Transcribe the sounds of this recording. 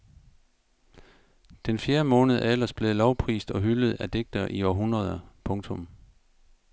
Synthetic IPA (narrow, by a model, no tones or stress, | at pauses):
d̥enfjeːɐmɔ̽ːnəð̞̩ˠelɐsb̥le̝lɒʊpʰʁḭːsd̥ɒ̽ɦyləð̞̩ˠæd̥eɡ̥̚d̥ɐʔiɒːɦunʁɐð̞ˠɐpʰɔ̽ŋt͡sʰɔ̽m